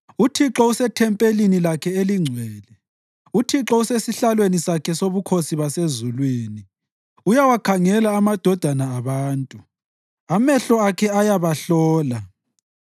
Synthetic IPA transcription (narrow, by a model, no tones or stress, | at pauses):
utʰiǁɔusɛtʰɛmpʼelinilakʰɛeliŋ͡ǀʱwɛːlɛ | utʰiǁɔusesiɬalwenisakʰɛsoβukʰosiβasezulwiːni | ujawakʰaŋɛlaːmad̥ʱɔd̥ʱanaːβaːntʼu | amɛɬɔakʰɛajaβaɬɔːla